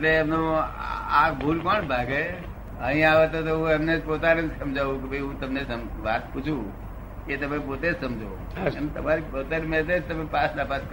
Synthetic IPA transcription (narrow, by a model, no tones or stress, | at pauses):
eʈleəmno | akbʱulkɔnbʱaɡe | əɦĩaʋet̪ot̪oɦũemned͡ʒpot̪aned͡ʒsəmd͡ʒʱaʋũkebʱəiɦũt̪əmnesəmʋat̪pʊt͡ʃʰũ | ket̪əmẽpoːt̪ed͡ʒsəmd͡ʒʱo | emt̪əmaɾipot̪aɾimẽt̪ed͡ʒt̪əmẽpaslapat̪̚k